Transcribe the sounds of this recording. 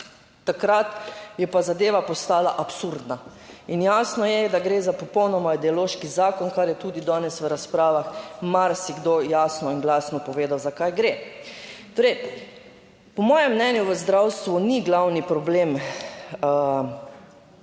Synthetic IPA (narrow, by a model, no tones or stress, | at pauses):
t̪akɾat̪jɛpazad̪eːʋapɔst̪aːla̰ʔapsuɾd̪nainjaːsnɔjɛd̪aɡɾeːzapɔpɔwnɔmaid̪ɛɔloːʃkizaːkɔnkaɾjɛt̪uːd̪id̪ɔːnɛsʋəɾaspɾaːʋaxmaɾsiɡd̪ojaːsnɔinɡlaːsnɔpɔʋeːd̪awzakajɡɾe | t̪oːɾɛj | pɔmɔːjɛmːnɛnjuʋəzd̪ɾawst̪ʋuniɡlawnipɾɔbleːm